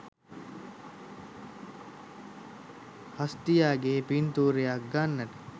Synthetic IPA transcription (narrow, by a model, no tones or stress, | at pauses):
hɐst̪ijaːɡeːpint̪uːɾejaɡanːɐʈ